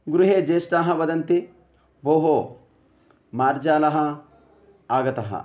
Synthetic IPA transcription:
ɡʊɾʊɦeːd͡ʒeːsʈaːɦɐbɐd̪ɐnt̪ɪ | boːɦoː | maːɾd͡ʒaːlɐɦɐ | aːɡɐt̪ɐɦɐ̰

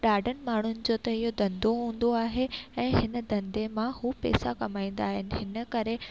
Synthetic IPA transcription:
ɗaːɖənɪ̆maːɳ̤ʊnɪ̆d͡ʑoːt̪ɐɦɪɦod̪ɐ̃nd̪oɦũːnd̪oaːɦeɛ̃ːɦɪnə̆d̪ɐ̃nd̪emãhupɛ̰ːsakɐmaːĩːnd̪aːɦɪnɪ̆ɦɪnə̆kɐɾe

